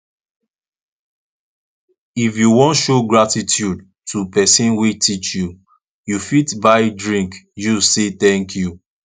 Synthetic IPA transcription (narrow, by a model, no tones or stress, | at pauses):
ifjuwɔ̃ntʃoɡɹatitʰjud̚ | tʰupɛsĩnwetʰit͡ʃju | jufitbaɪdɹĩŋkjuset̪ɛ̃ŋkʰju